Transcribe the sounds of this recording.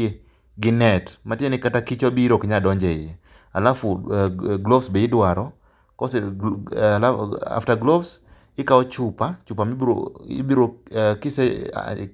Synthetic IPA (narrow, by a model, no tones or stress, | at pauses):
e | ɡɪnɛtmatjenɪkatakit͡ʃobiɾokɲadɔɲd͡ʒɛɪje | a̰lafʊɡlovsbeɪdwaɾɔ | kɔsɛ | laa̰ftaɡlovs | ɪkaɔt͡ʃʊpat͡ʃupamiɾoɪ̰biɾokɪsɛ̰